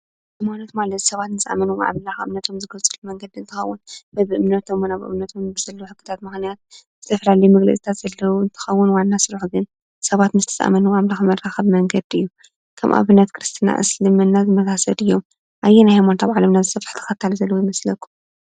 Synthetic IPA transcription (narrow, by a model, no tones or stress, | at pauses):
ʔɨmanot̪malɐt̪sɐβat̪nɨt͡sʼa̰mɐnuʕa̰βlaxʔɨmnɐt̪ʰo̞mzɨɡɐlt͡sʼɨlumɐŋɡɐd̪iɨnt̪ʰɨxɐwːʊnbɐβɨʔɨmnɐt̪ʰomːnaβɨ̰mnɐt̪ʰo̞mbɨz̥ɐlːuħɨkʰːɨ̥t̪ʰat̪mɨxnijat̪̚z̥ɨt̪ʰɐfɐlalɐjumɐɡlɐ̰t͡sʼit̪ʰat̪z̥ɐlːɐwuɨnt̪ʰɨ̥xɐwːʊnwanːasɨɾuħɡɨn | sɐβat̪nɨz̥t̪ʰɐ̥sʼa̰mɐnuwʔaβlaxɨmɐrːaxɐβmɐŋɡɐd̪ɨjːu | kʰɐmʔa̰βɨnːɐt̪kʰɨɾɨst̪ʰina̰ʔɨ̰slɨmɨnːazɨmɐzasɐd̪ɨjːo̞m | ʔajːɛnajhajmant̪ʰaβʕalɐmnazɨsɐfħt̪ʰɐ̥xɐt̪ʰːalzɐlːɐwojmɐslɐkʰːu̥m